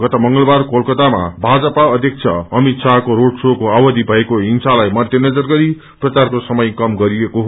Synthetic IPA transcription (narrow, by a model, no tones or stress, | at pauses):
ɡʌt̪ʌmʌŋɡʌlbarkolkʌt̪ama̰bʱad͡zʌpaʌd̪ʱjʌk̚t͡sʰʌʌmit̪sʰakoɾoɽsokoabʌd̪ibʱʌekoɦiŋsalajmʌd̪ʱjʌnʌd͡zʌrɡʌɾi | prʌt͡sarkosʌmʌjkʌmɡʌɾiekoɦ